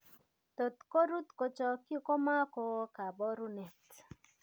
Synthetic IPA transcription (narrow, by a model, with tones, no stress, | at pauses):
t̪o˨t̪ko˦ɾu˦t̪ko˨t͡ʃɔ˨kju˦ko˦ma˦ko˨˦ka˨bɔ˦ɾu˦nɛ˨t